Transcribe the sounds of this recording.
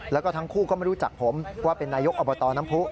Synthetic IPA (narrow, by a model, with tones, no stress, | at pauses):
lɛː˦˥wkɔ˥˩t̪ʰŋkʰuː˥˩kɔː˥˩ma˥˩ɾu˦˥t͡ɕa̰˨˩k̚pʰo˩˦mwaː˥˩pe˧nːaː˧jo˦˥k̚ʔɔː˧bɔː˧t̪ɔː˧na˦˥mpʰu˦˥ʔ